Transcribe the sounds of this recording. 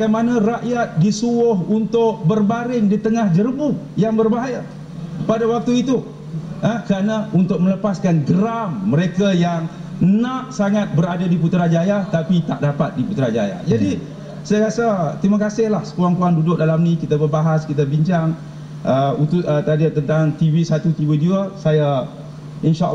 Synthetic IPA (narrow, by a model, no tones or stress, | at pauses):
baɡajmanãraʔjat̪̚disuʊhunt̪ʊk̚bərbaɾɪŋdit̪əŋahd͡ʒərbu | jaŋbərbaɦaja | padawak̚t̪uit̪u | əkəɾanaunt̪ʊk̚mə̃ləpaskanɡəɾamːəɾekajaŋ | naʔsaŋat̪̚bəɾadadiput̪ɾad͡ʒajat̪apit̪aʔ̚dapat̪̚diput̪ɾad͡ʒaja̰d͡ʒadi | sajaɾasat̪ɾimakasɪhlahsə̥kuwaŋpuandudʊk̚dalamnĩkit̪abərbaɦaskit̪abiɲt͡ʃaŋ | əut̪uət̪adət̪ənt̪aŋt̪iwisat̪ut̪iwiduəsaja | inʃaʔ